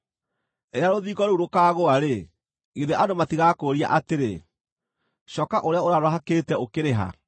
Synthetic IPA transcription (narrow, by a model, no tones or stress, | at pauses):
eɾeaɾoðiːɣɔɾeuɾokaːɣoaɾe | iðeʔadomatiɣakoɾia̰ʔateɾe | ɕɔkaʔoɾeaoɾaɾoaɦakeːtɛokeɾeɦa̰